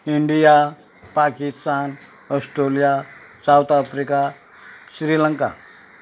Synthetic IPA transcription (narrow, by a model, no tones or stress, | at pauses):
iɳɖija | pakist̪an | ɔsʈɾolijasawt̪afɾika | ɕɾiləŋka̰